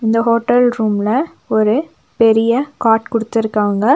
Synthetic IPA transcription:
ɪnd̪ɐɦoːʈːɐlɾuːmlɐ | ɔɾɯ | pɛɾɪjɐkaːʈkʊɽɯt̪ːɪɾɯkːaːŋɡɐ

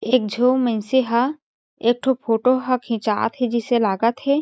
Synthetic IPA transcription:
eːk̚d͡ʒʱoːmɛ̃nseɦa | eːk̚ʈʰopʰoːʈoɦakʰĩːt͡ʃa̰ːt̪ɦɛd͡ʒɪselaːɡət̪ɦɛː

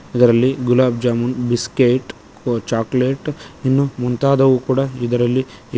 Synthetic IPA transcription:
id̪ɐɾɐlːiɡulaːb̚d͡ʒaːmunbiskeːʈ | t͡ʃaːkleʈinːumunt̪aːd̪ɐʋukuːɽaid̪ɐɾɐlːi

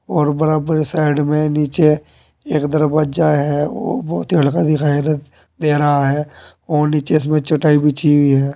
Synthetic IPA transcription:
ɔːɾbəɾaːbəɾsaːɪɖmẽniːt͡ʃe | eːkd̪əɾbaːd͡ʒaɦɛo̰ːbɔːt̪iəɽkad̪ɪkaːjɾət̪ | d̪eːɾəɦaɦɛːɔːniːt͡ʃeɪs̬mẽt͡ʃʊʈaːibʱit͡ʃibiɦɛː

